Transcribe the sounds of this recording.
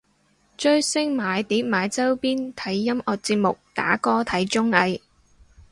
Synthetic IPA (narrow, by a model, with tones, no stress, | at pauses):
t͡ʃɵ˥ɥsɪ˥ŋmaː˨˧jt̪iː˨˥p̚maː˨˧jt͡sɐ˥wpiː˥nt̪ʰɐ˨˥jːɐ˥mɔː˨k̚t͡siː˧p̚mʊ˨k̚t̪a̰ː˨˥kɔː˥t̪ʰɐ˨˥jt͡ʃʊ˥ŋɐ˧j